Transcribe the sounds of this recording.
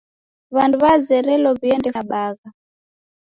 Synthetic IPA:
βanduβazɛɾɛlɔβiɛndɛfaɓaɣa

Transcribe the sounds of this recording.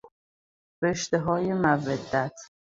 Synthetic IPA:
ɾeʃt̪eɦɒːjemæved̪ːæt̪ʰ

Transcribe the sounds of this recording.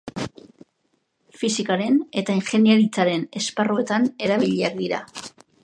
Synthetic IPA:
fisikaɾe̞ne̞t̪ainxe̞niaɾit͡saɾe̞ne̞sparue̞t̪ane̞ɾaβiʎiak̚d̪iɾa̰

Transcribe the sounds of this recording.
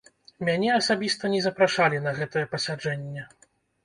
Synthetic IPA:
mʲanʲɛɐsabʲist̪ɐnʲɛzɐpɾaʂalʲinɐɣɛt̪ɐjɛpɐsʲad͡ʐɛnʲːɛ

